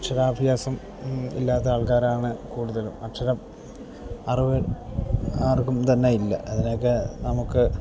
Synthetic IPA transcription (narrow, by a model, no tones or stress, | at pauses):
ɐʈʂɐɾaːbʱjaːsɐm | ḭlːaːðeaːɭkaːɾaːɳɨkuːɽuðɐlumɐʂɐɾɐm | ɐrɨʋe | aːrkumt̪ɐnːejilːɐ̰ʔɐðino̞k̬ːenɐmukːɨ